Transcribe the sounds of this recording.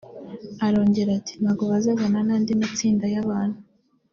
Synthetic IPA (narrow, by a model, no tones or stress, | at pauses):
aɾo̞ːɲɟe̞ɾati̥naɡoβazaβananaːndimat͡siːndajaβaːnhu